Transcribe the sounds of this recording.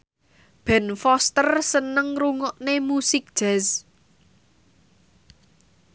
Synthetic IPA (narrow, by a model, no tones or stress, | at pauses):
b̥ɛ̤nfɔst̪ərsənəŋruŋɔʔnemusɪk̚d̥ʒ̥ɛs